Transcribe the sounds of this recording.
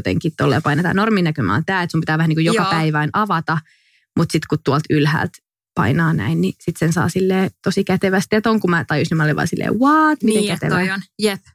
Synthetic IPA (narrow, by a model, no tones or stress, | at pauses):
t̪ḛŋkit̪t̪olːḛːpɑinet̪ɑ̰normiːnækymɑ̰o̰nt̪æːet̪sumpit̪æːʋæhæniːkujokɑpæiʋæinʔɑʋɑt̪ɑ | mut̪sit̪kutt̪uolt̪ylhæ̰ːlt̪ | pɑ̰inɑːnæ̰innisit̪sensɑ̰ːsilːeːt̪osikæt̪eʋæst̪et̪oŋkumæt̪ɑjosimɑlːeʋɑ̰ːsilːḛːwɑːt̪mit̪ækæt̪ḛʋænjep